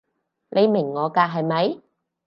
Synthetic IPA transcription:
lʔe˨˧jmɪ˨˩ŋːɔː˨˧kaː˧k̚ɦɐ˨jmɐ˨˥j

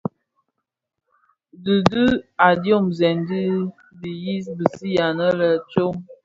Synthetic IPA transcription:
də˨də˦a˨djo˦˨mzɛ˨ndi˦ | di˨ji˦sbi˨si˦ja˨nə˦lə˨t͡ʃo˦m

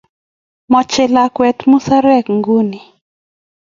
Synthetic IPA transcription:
mɔ˨t͡ʃɛ˨la˨kwɛ˨t̪mu˦sa˦ɾɛ˦kŋɡu˦ni˨

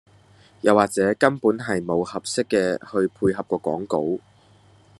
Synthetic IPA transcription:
jɐ˨˩waː˨k̚t͡sɛː˨˥kɐ˥npuː˨˥nɦɐ˨jmo˨˧whɐ˨p̚sɪ˥kːɛː˧hɵ˧ɥpʰuː˧jɦɐ˨p̚kɔː˧kɔ̰ː˨˥ŋko˨˥w

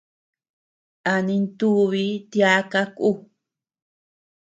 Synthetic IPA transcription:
a˧nĩ˧nt̪u˦βi˦t̪ja˦ka˦ku˦˧

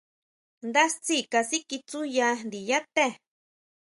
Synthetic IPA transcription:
nd̪a˦st͡si˦ka˧si˦ki˧t͡su˦ja˧d̪i˨ja˦t̪e˦

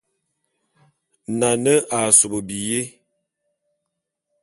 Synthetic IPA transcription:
na˨nə˦ʔa˨so˨bo˨bi˨je˦

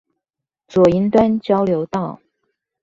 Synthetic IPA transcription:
t͡swɔ˨˩i˧˥nt̪wa˥nt͡ɕjɑ˥ʊljo˧˥ʊt̪ɑ˥˩ʊ

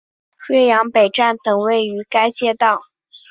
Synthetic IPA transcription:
ɕɥɛ˥jɑ˧˥ŋpe˨˩ɪʈ͡ʂa˥˩nt̪ɤ˨˩ŋwe˥˩ɪy˧˥ka˥ɪt͡ɕjɛ˥˧t̪ɑ˥˩ʊ

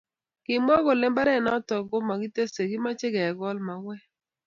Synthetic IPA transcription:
kɪ˨m˦ɔ˦ɡɔ˨lɛ˦mba˦ɾɛ˦˨nɔ˦tɔ˨ɡo˦ma˨ɡi˦te˦se˨ɡɪ˦ma˦t͡ʃɪ˦ɡɛ˨ɡɔ˦lma˨wɛ˦

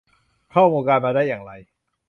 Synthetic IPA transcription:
kʰɔː˥˩muː˧kaː˧nmaː˧daː˥˩jːaː˨˩ŋɾa˧j

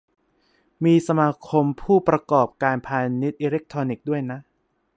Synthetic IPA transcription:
miː˧sa˧maː˧kʰo˧mpʰuː˥˩pɾa˧kɔː˨˩p̚kaː˧npʰaː˧ni˦˥t̪̚ʔiː˧ɾe˦˥k̚t̪ʰɔː˧ni˨˩k̚du˥˩əjna˦˥ʔ

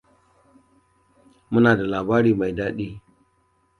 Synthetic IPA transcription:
mu˦na˨da˨la˨ba˦ɾi˦ma˨jda˦ɗi˦

